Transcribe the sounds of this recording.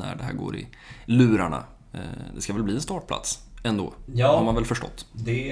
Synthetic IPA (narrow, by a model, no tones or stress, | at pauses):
næ̰ɖɛɦæ̰ːɾɡo̰ːɾɪ̰ | lʉ̟ːɾaɳa̰ | d̪ɛskavɛlbliːɛnst̪ɑːʈ̚pʰla̰t̪sɛnd̪o̰ːhaɾmanvɛlfœʂʈɔ̰t̪ːd̪ɛ